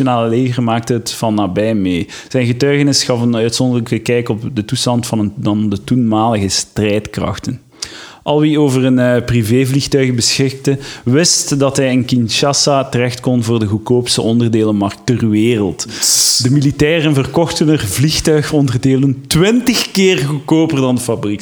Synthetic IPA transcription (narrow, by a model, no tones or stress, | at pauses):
jonaːlˠəleːɣərmaːk̚təɦətfɑnːaːbɛjmeː | z̥ɛjnɣətœɥɣənɪsxɑfənœɥtsɔndələkəkɛjkɔpdətustɑntfɑnəndɑndətunmaːləɣəstrɛjtkrɑ̰xtən | ʔɑlˠʋioːvərənpriveːvlixtœɥɣəbəsxɪk̚təʋɪstdɑtɦɛjənkinʃɑsatərɛxtkɔnvoːrdəɣukoːpsəʔɔndərdeːləmɑrk̚ttərʋeːrəlˠtdəmilitɛːrənvərkɔxtənərvlixtœɥxɔndərdeːləntwɪntəxkɪːrɣukoːpərdɑndəfɑbrik